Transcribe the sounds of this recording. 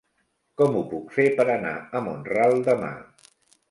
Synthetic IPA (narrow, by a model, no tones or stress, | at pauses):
kɔmupukfepəɾəna̰əmonralˠd̪əma̰